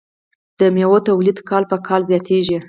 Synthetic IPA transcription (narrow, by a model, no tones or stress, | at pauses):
d̪̥əmewot̪awlid̪kɑlpəkʰɑlzjɑt̪eʒi